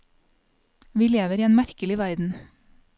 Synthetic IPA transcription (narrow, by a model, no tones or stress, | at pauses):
ʋiːleːʋəɾiːeːnmæɾkəlɪʋæɾd̪n̩